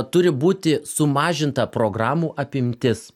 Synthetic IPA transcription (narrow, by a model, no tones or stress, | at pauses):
t̪ʊɾʲɪbuːt̪ʲɪsʊmɑːʒʲɪnt̪ɐpɾoːɡɾɑːmuːʔɐpʲɪmʲt̪ʲɪs